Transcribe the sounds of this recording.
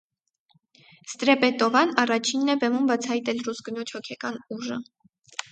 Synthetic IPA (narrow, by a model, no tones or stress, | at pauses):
st̪ɾɛpɛt̪ɔvɑnɑrɑt͡ʃʰinːɛbɛmumbɑt͡sʰɑjt̪ɛlrusɡənɔt͡ʃʰhɔkʰɛkɑnuʒə̰